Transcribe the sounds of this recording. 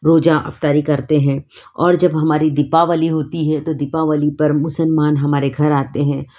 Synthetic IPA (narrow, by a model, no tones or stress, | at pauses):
ɾoːd͡ʒaʔɐ̰ft̪aːɾikɐɾt̪eɦɛ̃ːɔːɾd͡ʒɐbɦɐmaːɾid̪ɪpaʋaliɦoːt̪iɦɛt̪od̪ɪpaʋəlipɐɾmʊsəlmaːnɦɐmaːɾeɡʱɐɾaːt̪eɦɛ̃ː